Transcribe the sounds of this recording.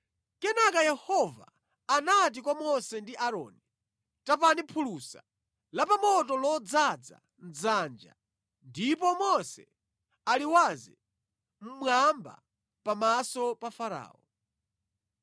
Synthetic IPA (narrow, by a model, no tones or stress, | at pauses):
kɛnakajɛhɔva̰ː | nat̬ikwamɔsɛndiʔaɾɔ̰ːni | tap̬anipʰulusa | lapamɔtɔlɔd͡zad͡za̰ | n̩d͡zand͡ʒa̰ | ndip̬ɔmɔsɛ | aliwazɛ | m̩mwamba̰ | pamasɔpafaɾa̰ːɔ